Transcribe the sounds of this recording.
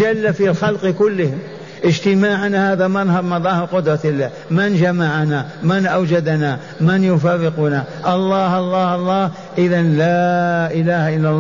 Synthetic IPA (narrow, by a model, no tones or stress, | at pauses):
d͡ʒalːafilxalqkʊlːɪhɪm | ʔɪd͡ʒt̪ɪmaːʕanahaːðamanhɑɾˤmɑðˤɑːhɪɾqʊd̪ɾˤɑt̪ɪlːaː | mɪnd͡ʒamaʕanamɪnʔawd͡ʒad̪na | mɪnjʊfaɾːɪqʊnaʔɑlˤːɑːhʔɑlˤːɑːhʔɑlˤːɑːh | ʔɪðanlaʔɪlaːhaʔɪlːalˤːɑ